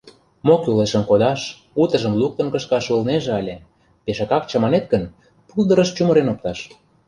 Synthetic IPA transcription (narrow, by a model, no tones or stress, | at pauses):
mokuleʃə̆nkod̪ɑʃ | ut̪ə̆ʒə̆mluk̚t̪ə̆nkə̆ʃkɑʃulneʒeɑlʲĕ | peʃɑkɑk̚t͡ɕɑ̆mɑnet̪̚kə̆n | puld̪ə̆ɾəʃt͡ɕumə̆ɾenop̚t̪ɑʃ